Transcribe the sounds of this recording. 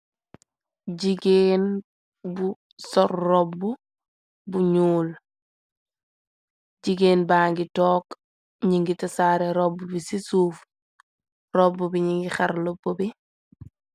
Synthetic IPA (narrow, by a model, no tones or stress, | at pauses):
ɟiɡeːn | bu | sɔɾːɔbːu | buɲuːl | ɟiɡeːnbaːŋɡitɔːk | ɲiŋɡitɐsaːɾɛɾɔbːubisisuːf | rɔbːubiɲiŋɡixaɾlɔbːobi